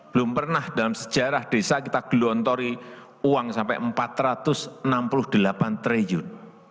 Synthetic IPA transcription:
b̥əlʊmpərnahd̥alamsə̥d̥ʒ̥a̤ɾahd̥e̤sakit̪aɡ̥ṳlunt̪ɔɾi | uwaŋsampɛ̰ʔəmpat̪ɾat̪ʊsənampulʊhd̪̥əlapant̪ɾejʊn

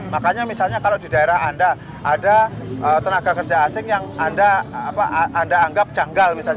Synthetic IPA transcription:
makaɲamisalɲakaladidaeɾahanda | ʔadaʔət̪ənaɡakərd͡ʒaːsɪŋjaŋandaapa̰ʔʔandaːŋɡap̚d͡ʒaŋɡalmisal

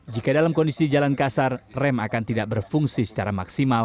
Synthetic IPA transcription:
d͡ʒikadalamkɔndisid͡ʒalankasarrɛmakant̪idaʔ̚bərfuŋsisə̥t͡ʃaɾamaksimal

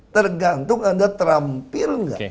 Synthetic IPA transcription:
t̪ərɡant̪ʊŋadat̪ɾampɪrŋɡa̰

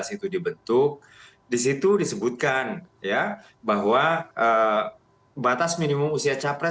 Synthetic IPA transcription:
asit̪udibənt̪ʊk̚ | disit̪udisəbut̪̚kanja | baɦwaʔə | bat̪asminimʊmusiat͡ʃapɾɛ

